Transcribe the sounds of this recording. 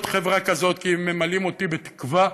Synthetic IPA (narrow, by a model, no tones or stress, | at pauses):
t̪χe̞vʁakazo̞t̪kimemalimo̞t̪ibet̪i̥kva